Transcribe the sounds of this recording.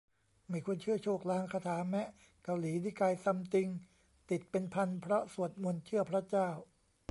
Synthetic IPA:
maː˥˧˥jkʰu˧ənt͡ɕʰɯ˥˩ɐt͡ɕʰoː˥˩k̚laː˧ŋkʰa˧t̪ʰaː˩˦mɛ˦˥ | ka˧wliː˩˦diː˥˩kaː˧jsa˧mt̪i˧ŋ | t̪i˨˩t̪̚pe˧npʰa˧npʰɾɔ˦˥su˨˩ət̪̚mu˧ənt͡ɕʰɯ˥˩ɐpʰɾa˦˥t͡ɕaː˥˩w

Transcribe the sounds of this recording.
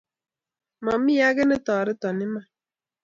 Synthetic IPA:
mɔ˨mi˦ja˦ɡɛ˦nɪ˦tɔː˨ɾɪ˦tɔ˨nɪ˦ma˦˨

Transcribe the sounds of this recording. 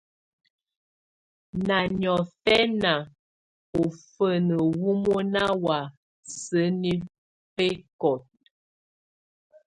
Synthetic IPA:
na˨ɲɔ˨fɛ˦na˨ | o˨fə˦nə˨wu˦mo˦na˦wa˨ | sə˨˦ni˦ | pe˦kɔ˨t̚

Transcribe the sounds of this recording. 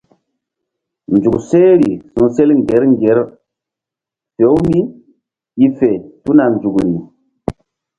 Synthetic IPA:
nd͡ʒu˨kse˦ɾi˨sũ˨se˦lŋ˨ɡe˨˦ɾŋɡe˨˦ɾ | fe˨˦wmi˦ | i˦fe˨tu˦na˨nd͡ʒu˨kɾi˨

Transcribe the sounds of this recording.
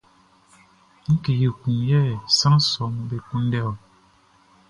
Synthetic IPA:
ŋ̩˦ke˨ji˨kũ˨jɛ˦˨sa˦n˦sɔ˨˦ŋbe˦ku˦n˦dɛ˦˨

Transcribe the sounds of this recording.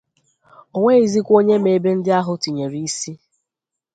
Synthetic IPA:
o˨ŋʷe˦i˦zi˦kʷo˦ɲe˦me˨e˦be˦n̩˦dɪ˦a˦ɦʊ˨˦ti˨ɲe˨ɾi˦i˦si˦

